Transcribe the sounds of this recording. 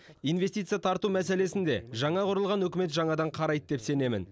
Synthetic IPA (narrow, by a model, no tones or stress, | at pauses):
ijnve̞st̪ijt̪sɨjaɑt̪ʰɑɾt̪umæse̞le̞sɪnd̪e̞̰ʒɑɴɑqʰʊɾəlˠʁɑnwɵkʲɪme̞t̪ʒɑɴɑd̪ɑɴqʰɑɾɑjd̪̚d̪e̞pse̞ne̞mɪ̰n